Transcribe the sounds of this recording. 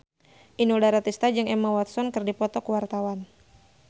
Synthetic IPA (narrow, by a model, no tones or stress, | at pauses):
ʔinuldaɾat̪ist̪ad͡ʒɨŋɛmawat̪sɔnkɨrdipɔt̪ɔkuwart̪awan